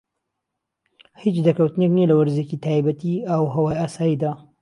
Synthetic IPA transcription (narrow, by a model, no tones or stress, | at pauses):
hit͡ʃd̪ɐkɐwt̪ɨneknielɐwɐɾzecit̪ʰaːjbɐt̪iawɦɐwaːjaːsaːjid̪aː